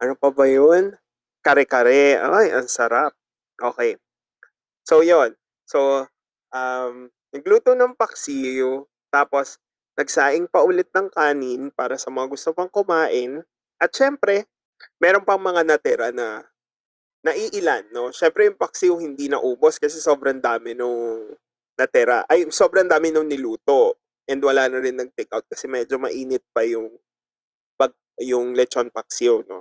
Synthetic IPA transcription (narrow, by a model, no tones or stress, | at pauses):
ʔɐnopɐbɐjon | kɐɾɛkɐɾɛʔo̰ːʔajʔɐŋsɐɾap̚ | ʔoːkɛj | so̞jo̞n | so̞ | ʔam | nɐɡ̚luːt̪onɐŋpɐksijo | t̪aːpo̞s | nɐɡsaːʔɪŋpɐʔulɛt̪̚nɐŋkaːnɪnpaːɾɐsɐmɐŋaɡʊst̪opɐŋkʊmaːʔɪn | ʔɐt̪̚ʃɛmpɾɛ | mɛːɾo̞npɐŋmɐŋanɐt̪ɛɾanɐ | nɐʔiʔɪlanːo̞ʃɛmpɾɛjʊŋpɐk̚siohɪnd̪inɐ̰ʔuːbo̞skɐsɛso̞ːbɾɐnd̪aːmɪnoŋ | nɐt̪ɛɾa̰ʔɐjnso̞ːbɾɐnd̪aːmɪnoŋnɪluːt̪o̞ | ʔɛnd̪wɐlaːnɐɾɪnːɐɡ̚t̪ɛkawt̪̚kɐsɛmɛːd͡ʒo̞mɐ̰ʔiːnɪt̪̚pɐjʊŋ | pɐɡ̚ | jʊŋlɛt͡ʃonpɐk̚sɪono̞̰